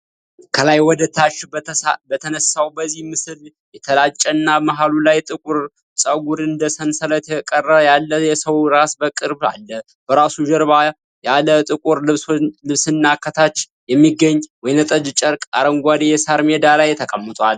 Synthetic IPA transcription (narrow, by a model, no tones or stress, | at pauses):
kʰəlajwɔd̪ət̪ʰːaʃbət̪ʰənəsawbəzːihmɨsɨl | jɛt̪ʰəlat͡ʃʼːənːamaɦalulajt̪ʼɨkʼuɾ | sʼəɡuɾɨnd̪əsənsələt̪ʰɛkʼərːəjalːəjɛsəwɾasbəkʼɨɾba̰lːə | b̥əɾasuʒəɾβa | jalət̪ʼɨkʼuɾlɨβsɨnːakʰːət̪ʰat͡ʃː | jɛmːiɡːəɲːwɔjnət̪ʼəd͡ʒt͡ʃʼəɾkʼaɾəŋɡʷad̪ejɛsaɾmed̪alajt̪ʰəkʼəmːət̪ʼwal